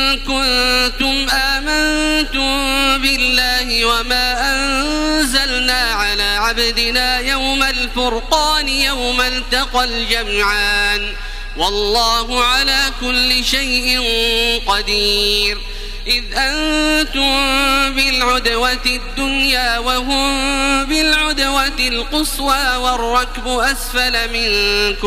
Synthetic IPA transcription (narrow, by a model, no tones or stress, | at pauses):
kʊnt̪ʊmʔaːmant̪ʊmbɪlːaːhɪwamaːʔanzalnaːʕalaːʕabd̪ɪnaːjawmalfʊɾqɑːnɪjawmalt̪ɑqald͡ʒamʕaːn | wɑlˤːɑːɦʊʕalaːkʊlːɪʃajʔɪnqɑd̪iːɾ | ʔɪðʔant̪ʊmbɪlʕʊd̪watɪd̪ːʊnjaːwaɦʊmbɪlʕʊd̪watɪlqʊswaːwɑrˤːɑkbʊʔasfalmɪnkʊ